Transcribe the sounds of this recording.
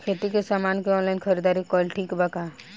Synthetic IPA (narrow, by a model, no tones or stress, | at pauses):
kʰeːt̪ikesaːmaːnkeɔ̃ːnlaɪnkʰɐɾid̪aːɾikɔːlʈʰiːkbɐka